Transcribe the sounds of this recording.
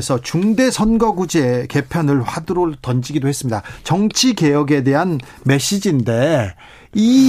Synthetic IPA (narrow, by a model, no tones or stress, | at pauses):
esʰʌt͡ɕuŋde̞sʰʌnɡʌɡud͡ʑieke̞pʰjʌnɯɭɸwadɯɾotʌnd͡ʑiɡidohe̞s͈ɯmɲidat͡ɕʌŋt͡ɕʰike̞jʌɡe̞de̞ɦan | me̞ɕ͈id͡ʑinde̞ | i